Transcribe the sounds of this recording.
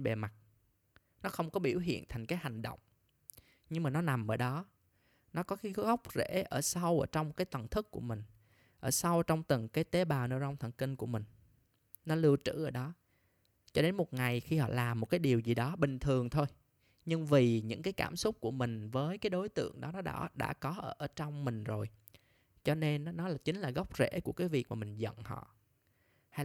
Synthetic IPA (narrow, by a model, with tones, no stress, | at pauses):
nɓe˨˩ma˨˩t̚ | nɔ˨˦xə˧wŋ͡mkɔ˨˦ɓi˧˩əwɦḭ˧˨ənt̪ʰa˨˩jŋ̟kaː˨˦jha˨˩jŋ̟ɗə̰˧˨wŋ͡m | ɲɨ˧ŋmaː˨˩nɔ˨˦na˨˩mʔəː˧˩ɗɔ˨˦ | nɔ˨˦kɔ˨˦xi˨˧˦ɣə˦˥wk͡p̚zḛ˧˥ʔəː˧˩sa˧wʔəː˧˩t͡ɕɔ˧wŋ͡mkaː˨˦jt̪ə˨˩nt̪ʰɨ˦˥k̚kːu˧˩əmï˨˩ŋ̟ | ʔəː˧˩sa˧wt͡ɕɔ˧wŋ͡mt̪ɨ˨˩ŋkaː˨˦jt̪e˨˦ɓaː˨˩wnɨ˧˩za˧wŋ͡mt̪ʰə˧˩ŋkï˧ŋku˧˩əmï˨˩ŋ̟ | nɔ˨˦lɨ˧əwt͡ɕɨ̰˧˥ʔəː˧˩ɗɔ˨˦ | t͡ɕɔ˧ɗe˨˦nmo˨˩t̚ŋa˨˩jxi˧hɔ̰˧˨laː˨˩mːo˨˩t̚kaː˨˦jɗi˨˩əwzi˨˩ɗɔ˨˦ɓï˨˩ŋ̟t̪ʰɨ˨˩əŋt̪ʰo˧j | ɲɨ˧ŋvi˨˩ɲɨ̰˧˥ŋkaː˨˦jkaː˧˩msʊ˦˥k͡p̚ku˧˩əmï˨˩ŋ̟vəː˨˦jkaː˨˦jɗo˨˦jt̪ɨ̰˧˨əŋɗɔ˨˦nɔ˨˦ɗaɔ̰˧˨˦ɗa̰ː˧˥kɔ˨˦ʔəː˧˩ʔəː˧˩t͡ɕɔ˧wŋ͡mmï˨˩ŋ̟zo˨˩j | t͡ɕɔ˧ne˧n˨˦nɔ˨˦laː˨˩t͡ɕï˨˦ŋ̟laː˨˩ɣɔ˦˥wk͡p̚zḛ˧˥ku˧˩əkaː˨˦jvi˨˩ək̚maː˨˩mï˨˩ŋ̟zə̰˧˨nhɔ̰˧˨ | ha˧j